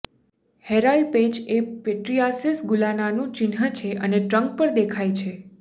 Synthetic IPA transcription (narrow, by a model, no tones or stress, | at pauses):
heɾaɭɖped͡ʒepeʈɾiasisɡulananũt͡ʃɪnɦət͡ʃʰeʔəneʈɾəŋk̚pəɾd̪ekʰajt͡ʃʰe